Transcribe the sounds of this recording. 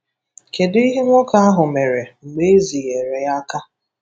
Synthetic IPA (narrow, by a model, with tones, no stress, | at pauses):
ke˨di˦ɦe˦ŋʷɔ˦ka˦a˦ɦʊ˨me˨ɾe˨ŋ͡m̩˨ɡ͡be˦zi˨ɣe˨ɾe˨ja˦ka˦